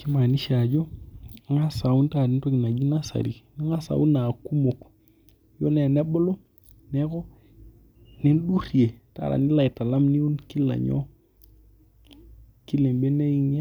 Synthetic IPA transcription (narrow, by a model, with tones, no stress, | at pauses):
ki˦ma˨ni˦ʃa˨d͡ʒɔ˦ŋa˦sa˨u˦nta˦˨di˦nto˦ɡi˨na˨d͡ʒi˦na˦sa̰˨ɾḭ˨na˦ŋa˦sa̰˨u˦na˨ku˦mo˨k | jo̰˦nɛ˨nɛ˦bɔ˦lo˦ | nɛ˦kɔ˦ | nɛ˦nɗu˦ɾi˨e˨ta̰˦˨ɾa̰˨ni˦la˨i˨ta˨la˦mni˦u˦nki˦la̰˨ɲɔ̰˦ | ki˦le˨mbe˦ne˦i˦ŋa˦